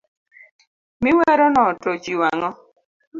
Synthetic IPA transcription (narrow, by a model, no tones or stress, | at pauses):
mɪwɛɾɔnɔtot͡ʃiwaŋɔ